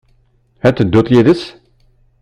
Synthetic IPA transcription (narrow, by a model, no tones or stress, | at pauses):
æt̪ːəd̪ːot̪ˤjiðəs